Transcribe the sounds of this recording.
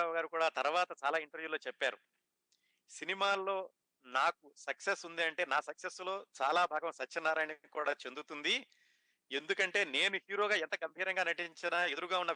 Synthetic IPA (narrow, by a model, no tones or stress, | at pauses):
aɡaːɾikuːɽaːt̪ɐɾʋaːt̪ɐt͡ʃaːlaːiɳʈɐɾʋjuːlo̞ːt͡ʃɛpːaːɾu | sinimaːlːo̞ː | naːkusɐksesund̪iɐɳʈe̞ːnaːsɐkseslo̞ːt͡ʃaːlaːbʱaːɡɐmsɐt͡ʃːɐnːaːɾɐnikuːɽaːt͡ʃe̞nd̪ut̪und̪i | e̞nd̪ukɐɳʈe̞ːne̞ːnuɦjuːɾo̞ːɡaːɛnt̪ɐkɐmpʰiːɾɐŋɡaːnɐʈiɲt͡ʃinaːe̞d̪uɾuɡaːunːɐ